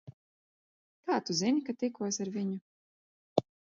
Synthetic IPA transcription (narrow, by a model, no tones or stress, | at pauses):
kaːt̪uzinikat̪ikuɔjsaɾviɲu